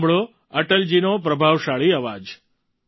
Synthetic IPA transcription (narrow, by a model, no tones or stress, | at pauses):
bɭo | əʈəld͡ʒinopɾəbʱaʋʃaɭiəʋad͡ʒ